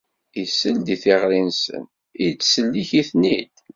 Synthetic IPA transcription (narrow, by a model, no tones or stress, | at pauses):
isəld̪iθiʁɾinsə̰n | it͡sːsəlːiçiθnid̪̥